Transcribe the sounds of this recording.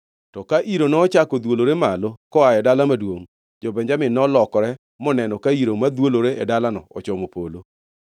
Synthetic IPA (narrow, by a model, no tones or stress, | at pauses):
tɔkaʔiɾonɔːt͡ʃakɔd̪woloɾemalɔkɔajɛdalamadwoŋ | d͡ʒɔbɛɲd͡ʒamɪnɔlɔkɔɾɛ | mɔnɛnɔkaiɾomad̪woloɾeɛdalanɔ̰ɔt͡ʃɔmopolo